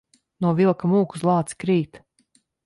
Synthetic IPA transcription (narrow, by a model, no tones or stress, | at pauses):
nuɔvilˠkamuːku̥slˠɑːt̪si̥kɾiːt̪